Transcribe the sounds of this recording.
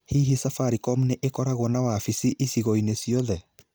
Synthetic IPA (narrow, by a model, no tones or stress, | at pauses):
hiɦisafaɾikɔmuneʔekɔɾaɣɔnawafisiʔisiɣɔinesiɔðɛ